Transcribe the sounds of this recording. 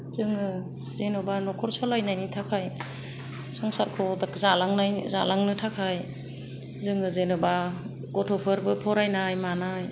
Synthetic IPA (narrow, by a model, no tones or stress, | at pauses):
zɯŋɯ | zenɔbanɔkʰɔɾsɔlajnajnitʰakʰaj | sɔŋsaɾkʰɔdakzalaŋnajzalaŋnɯtʰakʰaj | zɯŋɯzenɔba | ɡ̥ɔtʰɔpʰɯɾbɯpʰɔɾajnajmanaj